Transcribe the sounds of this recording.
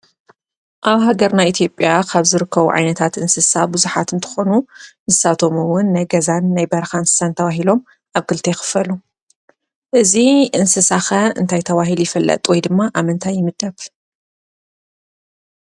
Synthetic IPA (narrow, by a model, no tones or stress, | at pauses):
ʔaβɦaɡɐɾnajʔit̪ʰjo̞pʼjakʰaβzɨɾɨkʰːɐβuʕa̰jnɐt̪ʰat̪ɨnsɨsabɨzuħat̪ɨnt̪ʰɨ̥xo̞nunɨzɨsat̪ʰo̞muwʊnːajɡɐzanːajbɐɾɐxaɨnsɨ̥sant̪ʰɐβaɦilo̞m | ʔaβkʰɨlt̪ʰexɨ̥fɐlu | ʔɨziʔɨnsɨsaxɐɨ̰nt̪ʰajt̪ʰɐβaɦiljɪfɐlːɐ̰t̪ʼwɔjd̪ɨmːaʔamɨnt̪ʰajːɪmɨd̪ɐβ